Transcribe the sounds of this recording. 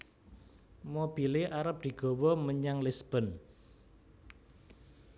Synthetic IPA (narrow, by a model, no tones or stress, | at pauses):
mob̥ileʔaɾəp̚d̪̥i̤ɡ̥ɔ̤wɔməɲaŋlisb̥ə̤n